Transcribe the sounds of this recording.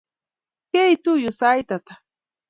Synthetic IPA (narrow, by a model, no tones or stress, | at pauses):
kejt̪ʊjʊsajt̪at̪ḁ